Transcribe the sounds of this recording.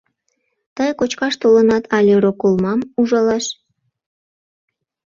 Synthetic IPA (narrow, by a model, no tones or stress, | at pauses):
t̪əjkot͡ɕkɑʃt̪olənɑt̪ʰɑlʲeɾokulˠmɑmuʒɑlɑʃ